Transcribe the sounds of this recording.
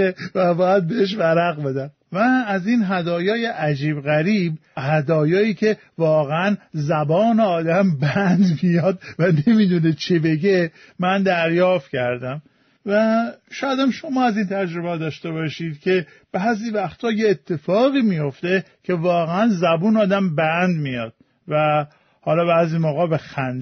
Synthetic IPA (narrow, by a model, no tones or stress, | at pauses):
evæbɒːjæd̪̚beeʃ̬væɾæɣbe̞d̪æm | væːzinɦæd̪ɒːjɒːje̞ʔæd͡ʒiːbɣæɾiːbhæd̪ɒːjɒːiːcʰe̞ | vɒːɣeænzæbɒːneɒːd̪æmbænd̪mijɒd̪væne̞miːd̪unet͡ʃʰibe̞ɟe | mænd̪æɾjɒːft̪cʰæɾd̪æm | væʃɒːjæd̪æmʃo̞mɒːæziːnt̪ʰæd͡ʒɾobɛhd̪ɒːʃt̪e̞βɒːʃiːd̪̥cʰe̞ | b̥æːziːvæxt̪ʰɒːjeːt̪ʰːe̞fɒːɣiːmijo̞ft̪e̞cʰe̞vɒːɣeænzæbuːnɒːd̪æmbænd̪mijɒd̪̥̚ | væ | hɒːlɒːbæːziːmoːɣɒːbexænd̪